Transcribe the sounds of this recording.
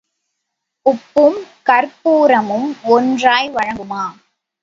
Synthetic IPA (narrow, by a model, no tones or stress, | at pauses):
ʊpːɯmkɐɾpuːɾɐmɯmɔndraːjʋɐɻɐŋɡɯmaː